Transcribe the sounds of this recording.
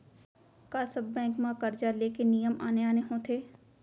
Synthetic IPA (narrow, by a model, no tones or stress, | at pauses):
kaːsɐbːɛ̃ːŋkmãkɐɾd͡ʒaɾleːkenijəma̰ːneaːneɦõt̪ʰeː